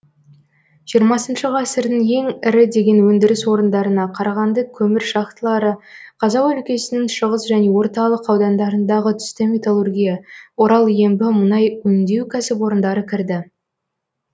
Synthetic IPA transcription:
ʒ̥ijəɾmɑsənʃəʁɑsəɾd̪əŋe̞ŋɪɾɪd̪e̞ɡʲe̞nwɵnd̪ɪɾɪswo̞ɾənd̪ɑɾənɑqʰɑɾɑʁɑnd̪əkʲʰɵmɪɾʃɑqt̪əlˠɑɾəqʰɑzɑwɵlkʲe̞sɪnɪŋʃəʁəsʒæne̞wo̞ɾt̪ɑlˠəqɑwd̪ɑnd̪ɑɾənd̪ɑʁət̪ʰʏ̥st̪ɪmet̪alˠurɡʲijɑwo̞ɾɑlˠje̞mbɪmənɑjwɵnd̪e̞wkʲʰæsɪp̬wo̞ɾənd̪ɑɾəkʲʰɪɾd̪ɪ

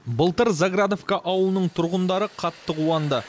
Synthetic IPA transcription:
bəlˠt̪əɾzaɡɾad̪ovkaʔɑwəlˠənəɴt̪ʰʊɾʁənd̪ɑɾəqʰɑt̪ːəqʰuɑnd̪ə

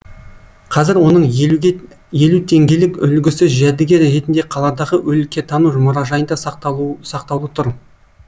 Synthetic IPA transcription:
qʰɑzɪɾwo̞nəɴ | je̞lut̪ʰe̞ŋɡʲe̞lɪkʏ̰lɡʲɪsɪzʒæd̪ɪɡʲe̞ɾɾe̞t̪ɪnd̪e̞qʰɑlˠɑd̪ɑʁəʔɵlɪkʲːe̞t̪ʰɑnuʒʊmʊɾɑʒɑjənd̪ɑssɑqt̪ɑwlˠət̪ʰʊɾ

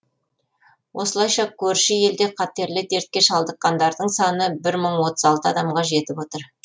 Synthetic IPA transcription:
wʔo̞səlˠɑjʃɑkʲʰɵɾʃɪje̞ld̪e̞qʰɑt̪e̞ɾlɪd̪ʰe̞ɾt̪̚kʲe̞ʃɑlˠd̪əqːɑnd̪ɑɾd̪əɴsɑnəbɪɾməɴwo̞t̪əzɑlˠt̪əɑd̪ɑmʁɑʒe̞t̪ɪpo̞t̪əɾ

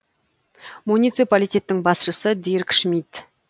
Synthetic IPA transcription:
munit̪sɨpalijt̪ʲe̞t̪ːɪŋbɑsʃəsəd̪iɾkʃmit̪

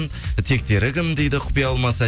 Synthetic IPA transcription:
n | t̪ʰe̞k̚t̪e̞ɾɪkʲʰɪmd̪e̞jd̪ɪqʰʊ̥pijɑɑlˠmɑsæ

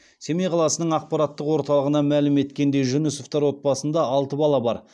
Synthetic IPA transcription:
se̞mejqʰɑlˠɑsənəɴɑq̚pɑɾɑt̪ːəqwo̞ɾt̪ɑlˠəʁənɑmælɪme̞t̪kʲe̞nd̪e̞jʒʏnʏsoft̪ɑɾwo̞t̪̚bɑsənd̪ɑɑlˠt̪əbɑlˠɑbɑɾ

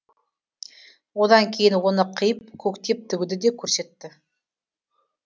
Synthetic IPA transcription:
wod̪ɑŋkʲʰejɪnwo̞nəqʰəjəp̚kʲʰɵkt̪e̞p̚t̪ʰʏɡʲʉd̪ɪd̪e̞kʲʰɵɾse̞t̪ːɪ

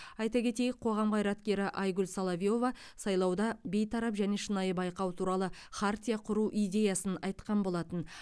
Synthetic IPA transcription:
ɑjt̪ɑkʲʰe̞t̪e̞jɪk̚qʰo̞ʁɑmqʰɑjɾɑt̪kʲe̞ɾɪʔɑjɡʊlsɑlˠavijo̞vɑ | sɑjlˠɑwd̪ɑbe̞jt̪ʰɑɾɑpʒæne̞ʃənɑjəbɑjqɑwt̪ʰuɾɑlˠə | χʰaɾt̪ʲijaqʰʊɾuʔijd̪ʲe̞jɑsənɑjt̪qɑnbo̞lˠɑt̪ən

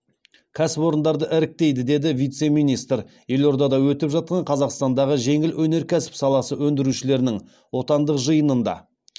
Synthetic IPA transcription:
kʲʰæsɪpo̞ɾənd̪ɑɾd̪əʔɪɾɪk̚t̪e̞jd̪ɪd̪e̞d̪ɪvijt̪se̞mijnist̪ɾ | je̞lo̞ɾd̪ɑd̪ɑwɵt̪ɪpʒɑt̪̚qɑɴqʰɑzɑqst̪ɑnd̪ɑʁəʒe̞ŋɪlwʔɵne̞ɾkʲʰæsɪ̥psɑlˠɑsəwɵnd̪ɪɾuʃɪle̞ɾɪnɪŋ | wo̞t̪ɑnd̪əqʒəjənənd̪ɑ̰

